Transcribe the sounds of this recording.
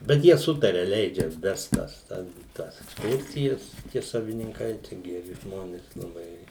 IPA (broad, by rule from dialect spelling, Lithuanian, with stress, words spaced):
bʲɛt ˈjiɛ ˈsʊtɐrʲɛ ˈlʲɛɪd͡ʒʲɛ ˈʋʲɛst ˈtɐs ˈtʲɛn ˈtɐs ɛksˈkʊrʲsʲɪjɛs tʲiɛ sɐʋʲɪnʲɪŋˈkɐɪ t͡ʃʲɛ ɡʲɛˈrʲɪ ˈʒmoːnʲeːs lˠɐˈbɐɪ